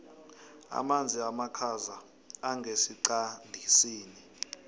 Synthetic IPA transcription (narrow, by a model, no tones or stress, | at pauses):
a̰mand͡zʱiamakʰazaː | ŋɡʱesiǀandʱisiːni